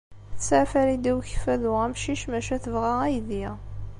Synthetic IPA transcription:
θt͡sːʕfæɾid̪æwçfæðʊʁæmʃiʃmæʃæθəvʁææjði

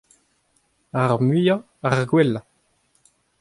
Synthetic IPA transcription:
aʁmyja | aʁɡwɛlːa

